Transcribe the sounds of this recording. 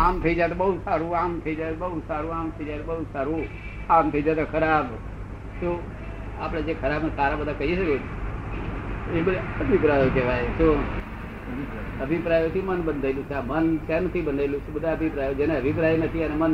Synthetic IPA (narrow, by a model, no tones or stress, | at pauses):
amt̪ʰəid͡ʒaet̪̬obəɦud͡ʒsaɾũamt̪ʰəid͡ʒaet̪obəusaɾũamt̪ʰəid͡ʒaet̪ʰobəɦud͡ʒsaɾũ | amt̪ʰəid͡ʒat̪okʰəɾab | ʃũ | apɽ̃ed͡ʒekʰəɾabnesaɾabəd̪ʱakəɦiʃəke | ebənəbʱipɾajokeʋajeʃo | əbʱipɾajot͡ʃʰũmənbənd̪ʱaelũt͡ʃʰaməntent̪ʰibənelũt͡ʃʰebəd̪ʱaəbʱipɾajod͡ʒeneəbʱip̬ɾainət̪ʰiənemən